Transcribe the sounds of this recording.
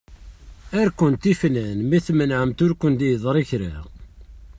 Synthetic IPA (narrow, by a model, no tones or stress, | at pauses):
æɾkənt̪ifnænmiθmənʕəmt̪ʊɾkʷənd̪jðˤɾˤiçɾa̰